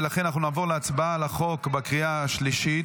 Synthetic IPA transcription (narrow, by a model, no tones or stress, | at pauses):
laχenanaχnunaːvo̞ʁleat͡sbaalaχo̞kbekʁiaaʃliʃit̪